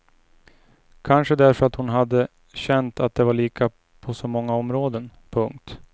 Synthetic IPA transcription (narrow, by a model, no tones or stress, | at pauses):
kʰanʂəd̪æɾfœɾat̪hʊnɦad̪ːə | ɕɛnt̪at̪̚d̪ɛvaɭiːkʰa | pʰɔsɔmɔŋːaɔmɾoːd̪ənpʰɵŋk̚t̪